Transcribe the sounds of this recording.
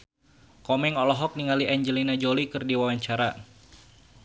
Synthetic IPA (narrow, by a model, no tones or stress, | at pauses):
kɔmɛŋɔlɔɦɔk̚niŋaliʔɛɲd͡ʒəlinad͡ʒolikɨrdiwawaɲt͡ʃaɾa